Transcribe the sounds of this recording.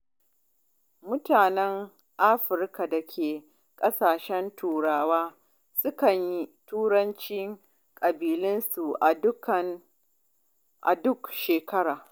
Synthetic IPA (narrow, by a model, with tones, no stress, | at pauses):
mʊ˦taː˨nɛ˦ŋ | ʔa˦ɸɪ˨rka˨da˨kʲʰeː˨ | kʼɐ˦saː˨ʃɛ˦ntʰuː˨ɽaː˦waː˦ | sʊ˦kɐ˨ɲji˦tuː˦ɾɐ˦nt͡ʃɪ˦ŋ | kʼɐ˨biː˨lɪ˦nsu˨ʔa˨dʊ˦kɐ˨ | ʔa̰˨dʊ˦kʃeː˨kɐ˦ɽaː˨